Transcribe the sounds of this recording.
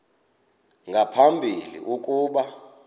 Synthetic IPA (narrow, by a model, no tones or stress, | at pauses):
ŋʱapʰambʱilḭʔuk̬ʼuːɓa